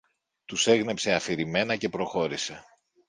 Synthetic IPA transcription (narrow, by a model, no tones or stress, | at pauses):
t̪use̞ɣne̞pse̞ɐfiɾime̞nɐce̞pɾo̞xo̞ɾise̞